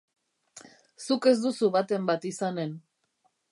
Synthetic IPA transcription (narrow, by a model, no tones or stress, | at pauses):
suke̞zd̪usuβat̪e̞mbat̪isane̞n